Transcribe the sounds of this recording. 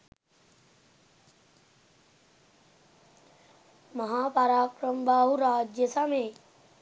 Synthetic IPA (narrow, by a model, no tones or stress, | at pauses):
məɦaːpaɾaːkɾəmbʱaːɦuɾaːd͡ʒjəsame